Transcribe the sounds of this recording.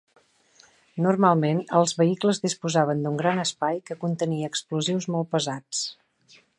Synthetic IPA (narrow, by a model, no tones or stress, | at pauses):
nurmalˠmenəlˠzβəikləzðispuzaβənd̪uŋɡɾanəspajkəkunt̪əniəːkspluziwzmɔlˠpəzat͡s